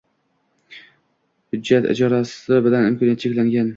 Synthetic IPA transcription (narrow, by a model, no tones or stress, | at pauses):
hʊd͡ʒːat̪ɪ̰d͡ʒɒɾasɪbɪlanɪmkʰɒnjat̪t͡ʃʰekʲlaŋɡʲan